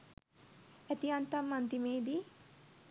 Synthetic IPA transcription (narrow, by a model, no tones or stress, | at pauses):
ɛt̪iant̪ɐmːɐnt̪imeːd̪i